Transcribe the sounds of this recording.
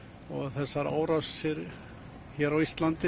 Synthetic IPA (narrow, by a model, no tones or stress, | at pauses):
ɔɣθɛsːaɾa̰ːwɾafsɪɾ | çɛːɾawist̪lant̪ɪ